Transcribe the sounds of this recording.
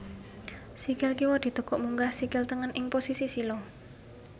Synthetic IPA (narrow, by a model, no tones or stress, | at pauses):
sikɪlkiwɔd̪̥i̤t̪uɡ̥ɔʔmuŋɡahsikɪlt̪əŋənɪŋposisisilo